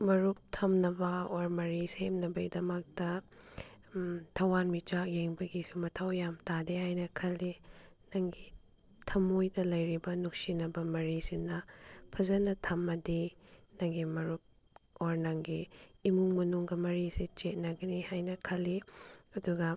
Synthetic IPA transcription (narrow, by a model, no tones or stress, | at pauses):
mɐɾup̚tʰɐmnɐbɐoɾmɐɾisemnɐbɐidɐmɐk̚tɐ | tʰɐwanmit͡ʃakjeŋbɐɡisumɐtʰɐwjamtadehajnɐkʰɐlːi | nɐŋɡi | tʰɐmojdɐlɐjɾibɐnuk̚sinɐbɐmɐɾisinɐpʰɐzɐnɐtʰɐmːɐdinɐŋɡimɐɾup̚ | oɾnɐŋɡiːmuŋmɐnuŋɡɐmɐɾisit͡ʃet̚nɐɡɐnihajnɐkʰɐlːiɐduɡɐ